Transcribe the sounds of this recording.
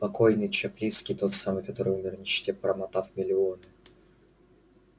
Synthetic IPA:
pɐkojnɨjt͡ɕɛplʲit̪skʲɪjt̪o̞t̪samɨjkɐt̪o̞ɾɨjumʲɪrnʲɪɕtʲepɾəmɐt̪afmʲɪlʲɪonɨ

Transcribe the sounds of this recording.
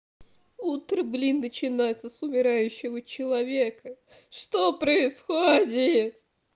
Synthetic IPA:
ut̪ɾəblʲinːət͡ɕɪnajt̪sːəsʊmʲɪɾajʉɕːɪvət͡ɕɪlˠɐvʲekə | ʂt̪opɾəɪsxodʲɪt̪̚

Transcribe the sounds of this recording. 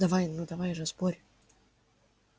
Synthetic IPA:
d̪ɐvajnnːud̪ɐvajʐɨspoɾʲ

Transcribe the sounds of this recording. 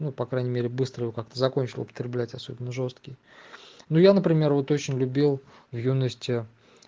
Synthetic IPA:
nupɐkɾajnʲɪmʲeɾʲɪbɨst̪ɾəjɪvokak̚t̪əzɐkonʲt͡ɕɪlˠʊpə̥t̪ʲɾʲɪblʲætʲɐso̞bʲɪnːəʐo̞st̪kʲɪj | nujanəpɾʲɪmʲe̞rvo̞t̪o̞t͡ɕɪnʲlʲʊbʲilˠ | vjunəsʲtʲɪ

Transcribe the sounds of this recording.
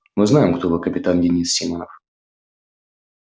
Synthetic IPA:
mɨznajɪmkt̪ovɨkəpʲɪt̪andʲɪnʲisːʲimənəf

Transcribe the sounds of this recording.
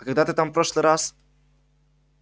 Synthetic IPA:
akaɡd̪at̪ɘt̪ampɾɔʃlɛɾas

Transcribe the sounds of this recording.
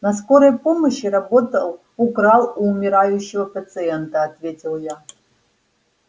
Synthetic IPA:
nɐs̬ko̞ɾəjpo̞məɕirɐbo̞t̪ɐlˠ | ukɾalˠuːmʲɪɾajʊɕːɪvɐpɐt̪sɨɛnt̪ɐːt̪vʲe̞tʲilˠja

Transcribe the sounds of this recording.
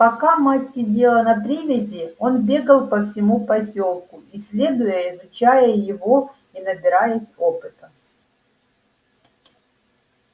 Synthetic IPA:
pɐkamatʲːɪdʲe̞lˠənɐpɾʲivʲɪzʲɪo̞nbʲe̞ɡəlˠpəfsʲɪmupɐsʲo̞lˠkʊisʲlʲe̞d̪ʊjəɪzʊt͡ɕæjəjɪvo̞ | inəbʲɪɾajəsʲo̞pɨt̪ə

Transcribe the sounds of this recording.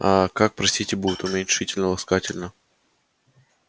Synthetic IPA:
akak̚pɾɐsʲt̪ʲitʲɪbud̪ʲɪt̪ʊmʲɪnʲʂɨtʲɪlʲnəlˠɐskatʲɪlʲnə

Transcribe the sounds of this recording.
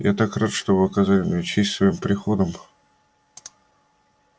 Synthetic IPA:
ja̰t̪akrat̪ʂt̪obɨɐkɐzalʲɪmʲɪnʲɛt͡ɕesʲsvɐimpɾʲɪxo̞d̪əm

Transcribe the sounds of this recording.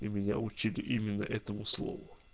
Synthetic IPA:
imʲɪnʲa̰ʊt͡ɕilʲɪʔimʲɪnːəʔɛt̪əmʊslˠo̰vʊ

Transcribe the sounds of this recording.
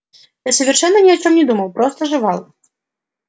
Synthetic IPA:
jasɐʋʲɛrʃɛnːɐnʲiɐt͡ʃɔmnʲɛd̪umɐwpɾɔst̪ɔʐɪʋɑlˠ

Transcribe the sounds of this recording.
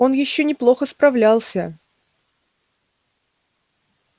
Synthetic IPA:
o̞njɪɕːonʲɪplˠo̞xəspɾɐvlʲalˠsʲə

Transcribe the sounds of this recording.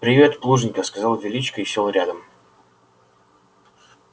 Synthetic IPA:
pɾʲɪvʲe̞t̪plˠuʐɨnʲkəskɐzɑlˠvʲɪlʲit͡ɕkəisʲelˠɾʲad̪əm

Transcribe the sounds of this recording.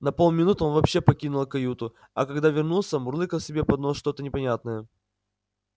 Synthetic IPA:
nɐpo̞lˠmʲɪnut̪onvɐpɕːe̞pɐkʲinʊlˠkɐjut̪ʊ | ɐ̰kɐɡd̪avʲɪrnulˠsʲəmʊrlˠɨkəlˠsʲɪbʲe̞pɐd̪noʂt̪o̞t̪ənʲɪpɐnʲat̪̚nəjə

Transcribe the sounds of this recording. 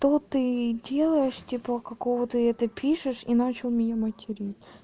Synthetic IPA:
t̪ot̪ɨdʲe̞lˠəjɪʂtʲipəkɐkovət̪ɨɛt̪əpʲiʂɨʂinat͡ɕɪlˠmʲɪnʲamətʲɪɾʲitʲ

